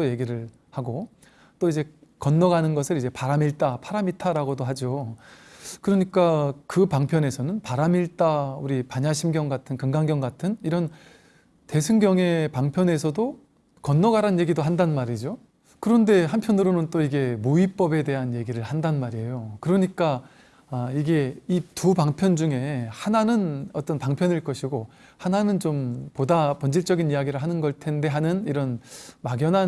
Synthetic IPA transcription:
t͈oje̞ɡiɾɯɭ | haɡo | t͈oid͡ʑe̞ | kʌnːʌɡanɯnɡʌsʰɯɾid͡ʑe̞paɾamiɭt͈apʰaɾamitʰaɾaɡodoɦad͡ʑo | kɯɾʌɲik͈akɯpaŋpʰjʌne̞sʰʌnɯnpaɾamiɭt͈auɾipaɲaɕʰimɡjʌŋɡatʰɯnkɯŋɡaŋɡjʌŋɡatʰɯniɾʌn | te̞sʰɯŋɡjʌŋe̞paŋpʰjʌne̞sʰʌdo | kʌnːʌɡaɾanje̞ɡidoɦandannmaɾid͡ʑo | kɯɾʌnde̞ɦampʰjʌnɯɾonɯnt͈oiɡe̞muip͈ʌbe̞de̞ɦanje̞ɡiɾɯɭhandanmaɾiejokɯɾʌɲik͈a | iɡe̞itubaŋpʰjʌnd͡ʑuŋe̞hananɯnʌt͈ʌnpaŋpʰjʌniɭk͈ʌɕʰiɡo | hananɯnt͡ɕompodapʌnd͡ʑiɭt͡ɕ͈ʌɡinijaɡiɾɯɭɦanɯnɡʌɭtʰe̞nde̞ɦanɯniɾʌnmaɡjʌna

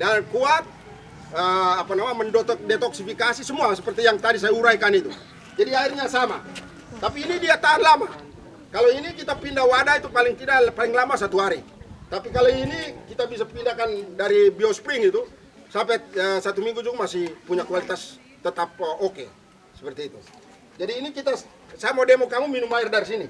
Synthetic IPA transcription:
dankuat̪̚ | əapanamaməndɔt̪ɔk̚dɛt̪ɔksifikasisəmuasəpərt̪ijaŋt̪adis̬ajauɾaikanit̪u | d͡ʒadiairɲasama̰ | t̪apiːnidiat̪aanlama | kaloinikit̪apindawadait̪upaliŋt̪idapaliŋlamasat̪uɦaɾit̪apikaloinikit̪abisapindakandaɾibiospɾiŋit̪u | sampɛəsat̪umiŋɡud͡ʒuɡamasihpuɲakualit̪as | t̪ət̪ap̚ɔke | sə̥pərt̪iːt̪u | d͡ʒadiːnikit̪a | samodɛmɔkamuminumairdaɾis̬ini

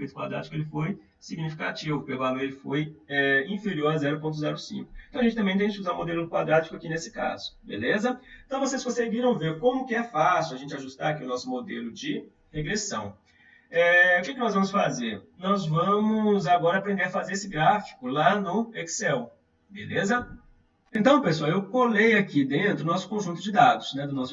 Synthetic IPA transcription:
pejt̪ʊ̥kwa̰d̪ɾa̰t͡ʃɪ̥kʊelɪfoj | siɡnifi̥ka̰t͡ʃivʊpealelɪfojɛĩfeɾioɾazɛɾʊp̬õnt̪̬ʊzɛɾʊsḭ̃ŋkʊ̥̃t̪ɐ̃wɐʒẽt͡ʃɪt̪ɐ̃mẽt̪ẽd͡ʒɪt͡ʃɪuzaɾũmod̪elʊd̪kwad̪ɾad͡ʒi̥kʊakinesɪ̥ka̰z̥ʊ̥bḛlezɐ̃t̪ɐ̃w̃voseskõseɡiɾɐ̃w̃veɾkõmʊkɪɛfasiwɐʒẽnt͡ʃɪaʒust̪aɾakiʊnɔsʊmod̪elʊd͡ʒɪ | heɡɾesɐ̃w̃ | ɛʊkɪkɪnɔzvɐ̃mʊsfazeɾnɔzvɐ̃mʊzaɡɔɾɐapɾẽnd̪eɾɐfazeɾesɪɡɾafi̥kʊlanʊeksɛw | belezɐ | ẽnt̪ɐ̃w̃pesuawewkolejakid̪ẽnt̪ɾʊnɔsʊ̥kõʒũnt̪ʊd͡ʒɪd̪ad̪ʊsnɛd̪ʊnɔsʊ

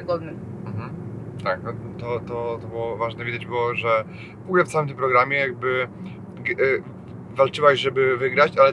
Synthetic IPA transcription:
ɡɔd̪ɛ | m̩ɦm̩ | t̪aknɔt̪ɔt̪ɔt̪ɔbɘwɔvaʐnɛvʲid̪ad͡ʑbɘwɔʐɛ | vɔɡulɛft̪sawɘmt̪ɘmpɾɔɡɾamʲjɛjaɡ̚bɘ | ɡ | valt͡ʂɘwaʑʐɛbɘvɘɡɾat͡ɕalɛ

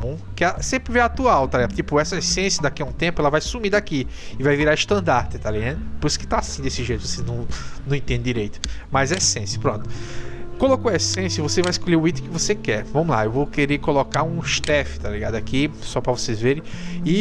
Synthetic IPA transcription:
bũ | kɪɛsẽpɾɪveat̪uawt̪aliɡad̪ʊt̪ipʊɛsɐesẽsjɐd̪akiɐũt̪ẽpʊɛlɐvajsumid̪aki | ɪvajviɾaɪʃt̪ɐ̃nd̪aɾt̪ɪt̪aliɡad̪ʊpoɾisʊ̥kɪ̥t̪aːsĩd̪esɪʒejt̪ʊvoseznɐ̃w̃nɐ̃w̃ẽt̪ẽnd̪ɪ̃d̪iɾejt̪ʊ̥mɐzɛsẽsjɐ̥pɾõnt̪ʊ̥kolokoesẽsjɐvosevajɪskolʎeʊit̪kɪvosekɛɾvɐ̃mʊla̰ewvowkeɾeɾkolokaɾũɪʃt̪ɛfɪ̥t̪aliɡad̪ʊakisɔpɾɐvosezveɾẽj̃ɪ

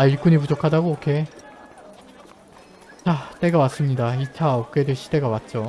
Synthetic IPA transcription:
aiɭk͈uɲipud͡ʑokʰadaɡookʰe̞ | t͡ɕat͈e̞ɡawas͈ɯmɲidait͡ɕʰaʌk͈e̞dweɕʰi̥de̞ɡawat̚t͡ɕ͈o

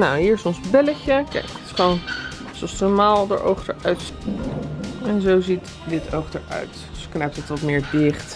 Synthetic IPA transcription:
nawɦiːɹɪsɔ̃nzbɛləcəkɛ̰jktɪ̥sχʋown | soɔsmaːlˠdə̰ɹʔo̰wχdəɹœɥt | ɛnzowzit | dɪtʰowχdəɹœ̰ɥt | sknɛp̚tɔtʋɑtmɪːɹdɪχt

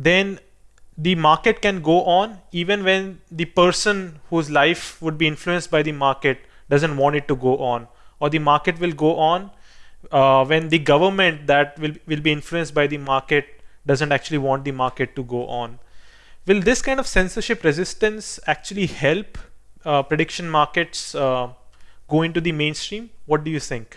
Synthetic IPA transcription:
d̪ɛ̃n | d̪imaːɾkeʈ̚kɛ̃nɡoːʔɔ̃ːniːʋə̃nʋɛ̃nd̪ipəɾsə̃nhuːzlaɪfʋʊɖ̚biːɪ̃nfluə̃nsʈ̚baɪd̪imaːɾkeʈ̚ | ɖʌzə̃ɳʈʋɔ̃ɳʈɪʈːuɡoːʔɔ̃ːn | ɔːɾd̪imaːɾkeʈʋɪlɡoːʔɔ̃ːn | ʋɛ̃nd̪iɡʌʋəɾmɛ̃ɳʈ̚d̪æʈ̚ʋɪlʋɪlbiɪ̃nfluə̃nsʈbaɪd̪imaːɾkeʈ̚ɖʌzə̃ɳʈæk̚t͡ʃʉəliʋɔ̃ːɳʈ̚d̪imaːɾkeʈːuɡoːʔɔ̃ːn | ʋɪld̪ɪskãɪ̃ɳnɖɔʋsɛ̃nsəɾʃɪpɾɛzɪsʈə̃nsæk̚t͡ʃuəlihɛlppɾeɖɪkʃə̃nmaːɾkeʈs | ɡ̥oːɪ̃ɳʈud̪imẽːnsʈɾĩːmʋɔʈ̚ɖujuːt̪ʰɪ̃ŋk

